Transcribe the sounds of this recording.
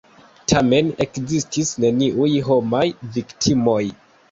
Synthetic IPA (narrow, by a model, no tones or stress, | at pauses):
tʰame̞ne̞̰kzistisne̞niʔujɦo̞majviktʰimo̞j